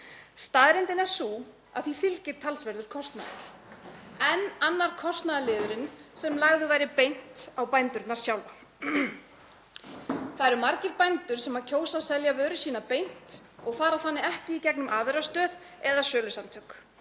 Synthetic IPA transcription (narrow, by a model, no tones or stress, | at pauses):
st̪aːðɾɪnt̪ɪnɛɾ̥su | a̰ðθifɪlcɪɾ̥t̪ʰalsvɛɾðʏɾ̥kʰɔst̪na̰ːðɪ̰ɾ̥ | ɛnanːaɾ̥kʰɔst̪naðalɪːðʏɾɪnsɛmlaɣðʏvaːjɾɪpejn̥t̪awpajnt̪ʏɾt̪naɾ̥sjawla | θaðɛɾʏmaɾcɪɾpajnt̪ʏɾ̥sɛmacʰoːwsasɛljavœːɾʏsiːnapejn̥t̪ | ɔɣfaːɾaθanːɪɛhcɪicɛknʏmʔaːveɾast̪œːð | ɛðasœːlʏsant̪ʰœk